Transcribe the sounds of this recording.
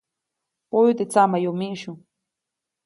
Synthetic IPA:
pojut̪et͡samajomiʃʊ

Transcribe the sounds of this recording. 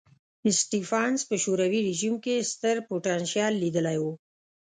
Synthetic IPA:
ɪsʈifɑnspəʃuɾawiɾɪʒimkest̪əɾpuʈɑnʃjɑlːid̪əlajwu

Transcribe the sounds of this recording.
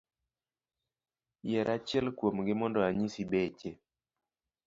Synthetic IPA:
jɛɾʔat͡ʃɛlkwomɡɪmɔndɔaɲisibet͡ʃe

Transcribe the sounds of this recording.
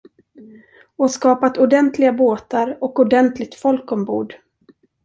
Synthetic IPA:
ɔskɑːpat̪ʊɖɛnt̪ʰlɪɡaboːt̪aɾɔkʊɖɛnt̪lɪɡ̚t̪fɔlkɔmbṵːɖ

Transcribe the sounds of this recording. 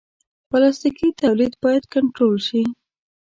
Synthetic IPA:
pəlɑst̪ikit̪awlid̪bɑjad̪kaɳʈɾolʃi

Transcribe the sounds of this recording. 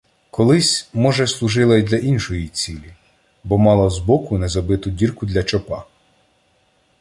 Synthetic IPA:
kɔlˠɪsʲmɔʒɛslˠʊʒɪlˠɐid̪lʲɐʔinʃɔjit͡sʲilʲi | bɔmɑlˠɐzbɔkʊnɛzɐbɪt̪ʊdʲirkʊd̪lʲɐt͡ʃɔpɑ

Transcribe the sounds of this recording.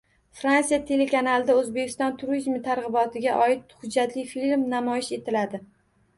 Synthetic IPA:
fɾansijat̪ʰe̞lekʰanalˠd̪aɵzbekʲʰɪ̥st̪ɒnt̪ʰʊɾizmɪt̪ʰaɾʁɨbɒt̪ʰɪɡʲaʔɒɪt̪̚hʊd͡ʒːat̪lɪjfilmnamɒjɪʃe̞t̪ʰɪlad̪ɪ

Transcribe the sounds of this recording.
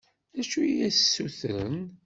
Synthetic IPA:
æʃujæssːuθəɾə̰n

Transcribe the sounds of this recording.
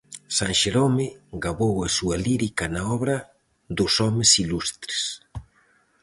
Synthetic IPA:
saŋʃeɾomɪɡaβowasualiɾikanaɔβɾa | d̪usɔmesilust̪ɾe̥s

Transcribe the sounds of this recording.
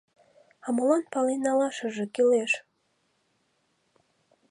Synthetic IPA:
ɑmolɑnpɑlenɑlɑʃɤ̆ʒĕkileʃ

